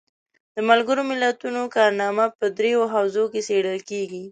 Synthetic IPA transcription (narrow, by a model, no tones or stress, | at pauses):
d̪̥əmalɡəɾomɪlat̪unokɑɾnɑmapəd̪ɾejoɦawzokeseɽəlkeɡi